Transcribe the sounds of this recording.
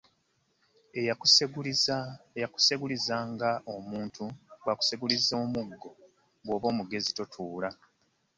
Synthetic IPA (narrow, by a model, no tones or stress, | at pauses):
jaku̥seɡulizaːŋɡaomuːntʰuɡwaku̥seɡulizo̞ːmuɡːo̞ | ɡwo̞ːβo̞ːmuɡe̞zitotʰuːla